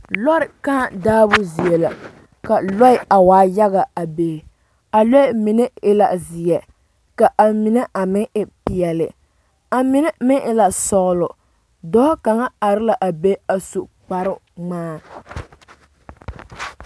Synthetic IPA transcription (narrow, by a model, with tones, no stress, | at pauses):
lɔ˦ɾɪ˨ka˦˨daː˦bʊ˦zi˨ɛ˨la˨ | ka˨lɔ˦ɪ˦˨a˨waː˨˦ja˦ɣa˨a˨beː˨ | a˨lɔ˦˨mi˨nɛ˦ɪ˦la˨zi˨jɛ˨ | ka˨ʔa˨mi˨nɛ˦ʔa˨mɪ˦ʔɪ˦pi˨jɛ˨lɪ̰˨ | a˨mi˨nɛ˦mɪ˦ʔɪ˦la˨sɔ˨ɣʊ˨lʊ˨ | dɔ˦ka˨ŋa˦a˨ɾɪ˦la˨ʔa˨be˦a˨su˨ʔk͡pa˨ɾɪ˦ŋ͡maː˦